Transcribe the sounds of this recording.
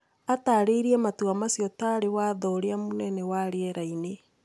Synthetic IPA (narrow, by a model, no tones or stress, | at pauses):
ataːɾeiɾiɛmatuamasjɔtaɾewaðɔɾeamunɛnɛwaɾeɛɾaine